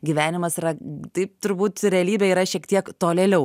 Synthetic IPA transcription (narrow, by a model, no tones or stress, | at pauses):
ɡʲiːʋʲæːnʲɪmɐsiɾɐt̪ɐɪp̚t̪ʊɾbuːt̪ɾʲɛɐlʲiːbʲɛiːɾɐʃʲiɛkt̪ʲiɛkt̪oːlʲɛːlʲɛʊ